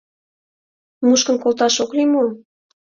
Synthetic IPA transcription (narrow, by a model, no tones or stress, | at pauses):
muʃkə̆nkolt̪ɑʃoklimuəm